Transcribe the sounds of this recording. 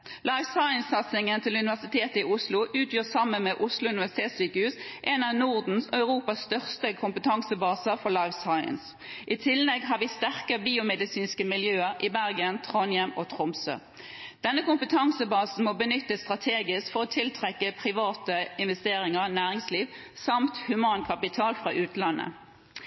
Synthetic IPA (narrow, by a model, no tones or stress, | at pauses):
lɑɪʋsɑɪənsɑt̪sɪŋənt̪ʰɪlʉnɪʋæʁsɪt̪ʰeːt̪əɪʊslʊʔʉːt̪ʰjøːsɑmːənmɛʔʊslʊʉnɪʋæʁsɪ̥t̪ʰeːt̪syːkəhʉːsʔɛnɑʋnʊʁd̪n̩sœʉʁuːpɑsːt̪œʁst̪əkʰʊmpət̪ʰɑŋsəbɑːsəfɔʁlɑɪʋsɑɪə̰ns | ʔɪt̪ʰɪlːɛɡɦɑːʁʋiːst̪æʁkəbiːʊmɛd̪ɪsiːnskəmɪljøːəʁʔɪbæʁɡənt̪ʰʁɔnjɛmoːt̪ʰʁɔmsø̰ | d̪̥ɛnːəkʊmpət̪ʰɑŋsəbɑːsn̩moːbənʏt̪ːəst̪ʁɑt̪ʰeːɡɪskfɔʁɔːt̪ʰɪlt̪ʰʁɛkːəpʰʁɪʋɑːt̪əɪnʋɛst̪eːʁɪŋəʁnæːʁɪŋsliːʋ | sɑmt̪hʉmɑːnkʰɑpɪt̪ʰɑːlfʁɑːʔʉːt̪əlɑnʔə̰